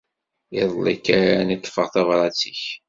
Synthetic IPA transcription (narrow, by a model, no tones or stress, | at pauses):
iðˤlikːaɾanit̪ˤːfəʁθɑvɾˤɑt͡siç